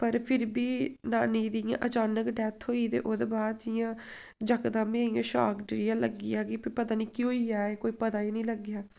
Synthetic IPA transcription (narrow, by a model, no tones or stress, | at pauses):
pəɾpʰɪɾbiːnaːniːd̪ɪjã̰ːʔət͡ʃaːnəkɖɛːt̪ʰɦoːiːt̪ḛːʔoːd̪ebaːd̪d͡ʒɪjãː | d͡ʒəkd̪ãːmẽːɪjãːʃa̰ːkɖɾɪjãːləɡijaːɡiːpipət̪aːnĩːkɪoːiaːeːkoːiːpət̪aːiːnĩːləɡɪjaː